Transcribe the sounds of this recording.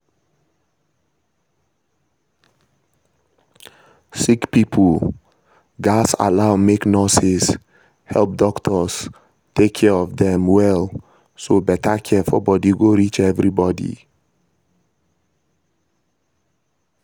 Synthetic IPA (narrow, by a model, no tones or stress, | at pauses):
sikpipʰəl̩ | ɡasa̰laʊmeknɔsis | hɛ̰lˠp̚dɔktʰəs | tekʰːɛɔvðɛ̃mwɛl | sobɛtəkʰɛfɔ̰bɔdiɡoɹit͡ʃɛvɹibɔdḭ